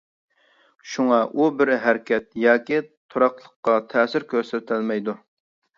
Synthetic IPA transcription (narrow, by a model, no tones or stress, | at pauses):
ʃuŋɑʔubɪɾɦæɾkʲɛt̪̚jɑːkʲit̪ʰoɾɑqlˠəqːɑt̪ʰɛːsɪɾkʲʰøɾsɛt̪ʰɪlmɛjd̪u